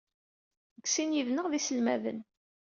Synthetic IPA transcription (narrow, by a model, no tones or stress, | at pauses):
ɡsinjivnəʁðisəlmævə̰n